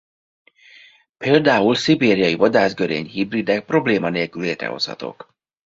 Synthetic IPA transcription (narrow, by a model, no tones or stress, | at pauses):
peːld̪aːulsibeːɾijɒjivɒd̪aːzɡøɾḛːɲhibrid̪ɛk̚pro̞bleːmɒneːlkyleːt̪ɾɛ̰ɦo̞̰shɒ̰t̪o̞̰k